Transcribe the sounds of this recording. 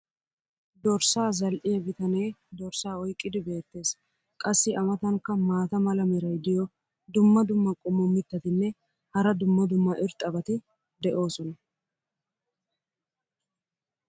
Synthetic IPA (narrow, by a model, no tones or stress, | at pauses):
d̪ɔɾsaːzɐlʔɪjɐɡɪt̪ɐnejd̪ɔɾsaːɔjkʼːɪd̪ɪbe̞ːt̪ːe̞ːs | kʼɐsːɪʔɐmɐt̪ɐŋkːɐmaːt̪ɐmɐlɐmɪɾɐjd̪ɪjɔ | d̪ʊmːɐd̪ʊmːɐkʼʊmʊmːɪt̪ːɐt̪ɪnːɛ | hɐɾɐd̪ʊmːɐd̪ʊmːɐʔɪɾt̪ʼːɐbɐt̪ɪ | d̪ɛʔo̞ːsɔnɐ